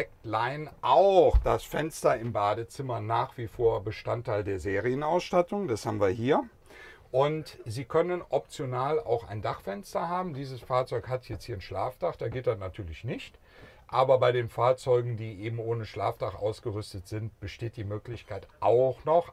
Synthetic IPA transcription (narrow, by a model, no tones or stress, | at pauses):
ɛk̚tlaɪnʔaʊxd̥asfɛnstɐɪmbaːdət͡sɪmɐnaːχv̥ifoːɐbəʃtantʰːaɪldeːɐzeːʁiənaʊsʃtatʊŋd̥ashaːbm̩nviːɐhiːɐ | ʔʊntziːkʰœnənʔɔp̚t͡sjonaːla̰ʊxa̰ɪndaχfɛnstɐɦaːbm̩diːzəsfaːɐt͡sɔʏkhathɛt͡sthiːɐnʃla̰ːftaχd̥aɡeːt̚d̥atnatʰyːɐlɪçnɪçt | ʔaːbɐbaɪdeːnfaːɐt͡sɔʏɡŋ̩diːʔeːbm̩ʔoːnəʃla̰ːftaχʔa̰ʊsɡ̥əʁʏstətz̥ɪnt̚b̥əʃteːt̚d̥iːmøːklɪçkʰaɪtʔaʊxnɔχ